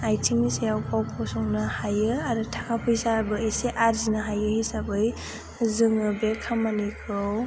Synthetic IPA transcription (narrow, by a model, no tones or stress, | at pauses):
ajtʰiŋnisejawpʰawpʰɔsɔŋnahajɯaɾɯtʰakʰapʰɯjsabɯeseʔaɾzinaɦajɯhisabɯj | zɯŋɯbekʰamːanikʰɯw